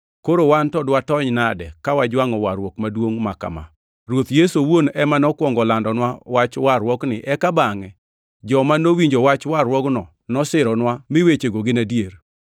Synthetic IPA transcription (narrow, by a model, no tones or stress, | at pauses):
koɾowantɔdwatɔɲnadɛkawad͡ʒwaŋɔwaɾwɔkmadwoŋmaka̰ma̰ | ɾwot̪jesowonɛmanɔkwɔŋɡɔlandɔnwawat͡ʃwaɾwɔknɪʔɛkabaŋɛ | d͡ʒɔmanowiɲd͡ʒowat͡ʃwaɾwɔknɔ | nɔsɪɾɔnwamɪwet͡ʃeɡoɡɪnadjer